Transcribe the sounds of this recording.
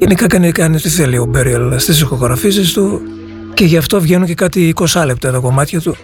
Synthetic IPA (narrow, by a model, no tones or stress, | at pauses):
ʝenikɐkɐnikɐnit̪iθeliobeɾiɐlst̪issixo̞ɣɾɐfis̬ist̪u | ce̞ʝɐft̪o̞vʝe̞nuɲce̞kɐt̪iːko̞sɐle̞p̚t̪ɐt̪ɐko̞mɐt̪çɐt̪u